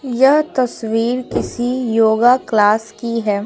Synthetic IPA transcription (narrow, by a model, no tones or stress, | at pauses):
jɐɦt̪ɐswiːɾkɪsijoːɡaklaːskiɦɛː